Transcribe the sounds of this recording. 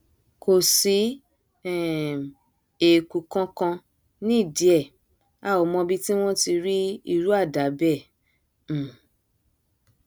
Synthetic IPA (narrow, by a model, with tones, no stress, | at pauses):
ko˨si˨˦˨ | e˨ku˨kã˧˦kã˧ | nĩ˦i˦˨di˨˦ɛ˦˨ | a˦˨o˨mɔ̃˧bi˧ti˦w̃ɔ̃˦ti˧ɾi˦i˧ɾu˦a˦˨da˨˦bɛ̃˦˨˦